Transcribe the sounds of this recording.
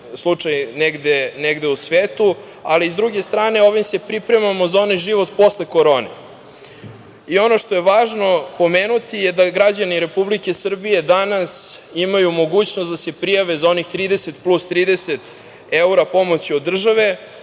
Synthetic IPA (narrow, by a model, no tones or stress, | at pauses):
slˠut͡ʂajneɡd̪eneɡd̪eusʋeːt̪u | aliːzd̪ɾuɡe̞st̪ɾaːne̞o̞ʋimse̞pɾipɾe̞mamo̞zao̞najʒiʋo̞t̪po̞sleko̞ɾo̞ːnḛ | io̞no̞ʃt̪o̞jeʋaːʒno̞po̞meːnut̪ijed̪aɡɾad͡ʑaniɾe̞publike̞sr̩bije̞d̪anasimajumo̞ɡuːt͡ɕnost̪d̪ase̞pɾijaʋezao̞nixt̪ɾiːd̪eset̪plˠust̪ɾiːd̪eset̪ | euɾapo̞mo̞t͡ɕiod̪ːr̩ʒaʋe̞